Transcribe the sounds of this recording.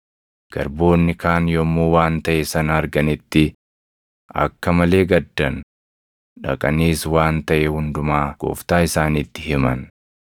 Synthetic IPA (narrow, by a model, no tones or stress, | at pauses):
ɡ̥ɐɾbo̞ːnːɪkaːnjɔmːuːwaːnt̪ɐʔɛsɐnɐːɾɡɐnɪt̪ːɪ | ɐ̰kːɐmɐle̞ːɡɐd̪ːɐn | ᶑɐkʼɐniːswaːnt̪ɐʔɛhʊnd̪ʊmaːɡ̥o̰ːft̪aːɪsaːnit̪ːɪhɪmɐn